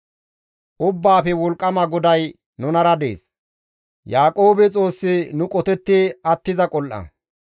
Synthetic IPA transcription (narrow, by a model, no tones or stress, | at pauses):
ʔʊbːaːfɛwɔlkʼːɐmɐɡɔd̪ɐj | nʊnɐɾɐd̪ḛːs | jaːkʼo̞ːbɛt͡sʼo̞ːsːɪnʊkʼɔt̪ɛt̪ːɪɐt̪ːɪzɐkʼɔlʔɐ̰